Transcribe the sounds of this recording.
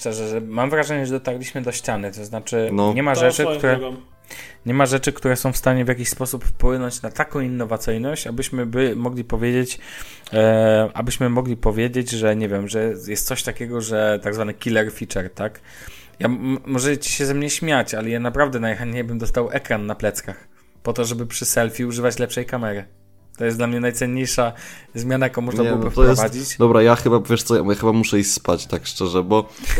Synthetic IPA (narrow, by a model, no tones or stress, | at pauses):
t͡ʃɛʐɛʐɛmamvɾaʐɛɲɛʐɛd̪ɔt̪aɾlʲiɕmɘd̪ɔɕt͡ɕanɘt̪ɔznat͡ʂɘnɲɛmaʐɛkt̪uɾɛ | ɲɛmaʐɛt͡ʂɘkt̪uɾɛsɔ̃w̃fst̪aɲɛvʲjak̬ʲiɕspɔsuppwɘnɔɲt͡ɕnat̪akɔ̃w̃inːɔvat̪sɘjnɔɕt͡ɕabɘɕmɘbɘmɔɡlʲipɔvʲjed͡ʑet͡ɕ | ʔa̰bɘɕmɘmɔɡlʲipɔvʲjed͡ʑed͡ʑʐɛɲɛvʲjɛmʐɛjɛst̪sɔɕt̪akʲɛɡɔʐɛt̪aɡzvanɘkʲilɛɾfʲit͡ʂɛɾt̪ak | jamɔʐɛt͡ɕi̥ɕɛzɛmɲɛɕmʲjat͡ɕalɛjanapɾavd̪ɛnajxaɲɲejbɘmd̪ɔst̪awʔɛkɾanːaplɛt̪skax | pɔt̪ɔʐɛbɘpʂɘsɛlfʲiuʐɘvat͡ɕlɛpʂɛjkamɛɾɘ | t̪ɔjɛsd̪lamɲɛnajt̪sɛɲːejʂazmʲjanajakõmɔʐnabɨwɔbɨft̪ɔpɾɔɛsvad͡ʑit͡ɕd̪ɔbɾajaxɘbavʲeɛʂt̪sɔja̰jaxɘbamuʂɛixspat͡ɕt̪akʂt͡ʂɛʐɛbɔ